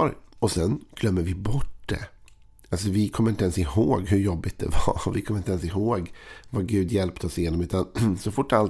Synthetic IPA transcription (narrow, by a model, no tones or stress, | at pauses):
ɾɔsɛnɡ̥lœmːəɾvɪbɔʈ̚d̪̥ɛ̰ | als̬ɔvɪkʰɔmːɾɪnt̪əɛnsɪhoːɡhɵjɔbːɪt̪̚d̪̥ɛ̰vɑvɪkʰɔmːɪnt̪ɛnsɪɦoːɡvaɡʉ̟ːd̪jɛlpt̪ʰɔsjeːnɔmʉ̟ːt̪ansɔfʊʈːal